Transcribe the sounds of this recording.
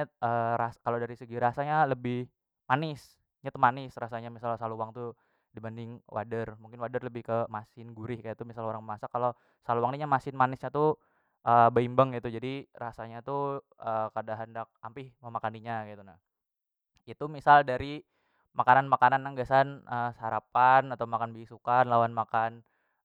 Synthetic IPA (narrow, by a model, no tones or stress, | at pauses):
əɾaskalodaɾisəɡiɾasaɲaləbɪh | manɪs | ɲat̪umanɪsrasaɲamisalsaluwaŋt̪u | dibandɪŋwʔa̰dərmuŋkɪnwadərləbɪhkəmasɪnɡuɾɪhkajat̪umisaloɾaŋbəmasakalo | saluwaŋdiɲamasɪnmanɪsɲat̪u | ʔəbaimbəŋɡit̪ud͡ʒadirasaɲat̪uəkadaɦəndak̚ampɪhməmakaniɲaɡit̪unah | it̪umisaldaɾi | makananmakananaŋɡasanʔəhaɾapanat̪awmakanbisukanlawanmakan